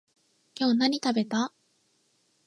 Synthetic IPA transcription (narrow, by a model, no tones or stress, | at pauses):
kʲo̞ːnaɲ̟it̪abe̞t̪a